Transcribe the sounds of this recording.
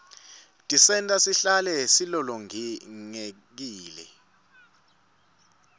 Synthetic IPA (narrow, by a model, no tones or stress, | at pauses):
tʼisɛntʼasiɬalɛsilɔlɔŋŋe | k̬iːlɛ̰